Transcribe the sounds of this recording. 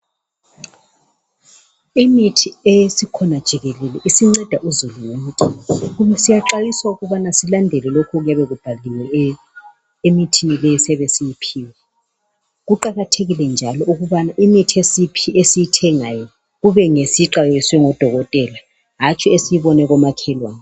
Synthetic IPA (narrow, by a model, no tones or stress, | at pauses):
imitʰiesikʰɔnad̥ʒ̥ʱiɣelɛlɛʔisiŋ͡ǀɛd̥ʱaʔuzuluwomukʼiɣumɛsijaǁajiswauɣuβanasilandʱɛlɛlokʰɔɣujaβɛɣub̥ʱaliwɛ | emitʰinilɛjɛsɛβɛsijipʰiːwɛ | ɣuǃaɣatʰeɣilɛnd͡ʒʱalɔʔuɣuβanaʔimitʰiesipʰiesijitʰɛŋajɔ | ɣuβɛŋesiǁajswɛŋɔd̥ʱɔɣɔtʼɛla | ɦat͡ʃʰʼiesijiβɔnɛɣɔmakʰɛlwaːnɛ